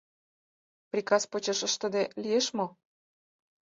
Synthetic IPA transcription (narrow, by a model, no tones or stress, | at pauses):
prʲikɑspot͡ɕĕʃəʃt̪ə̆d̪elieʃmo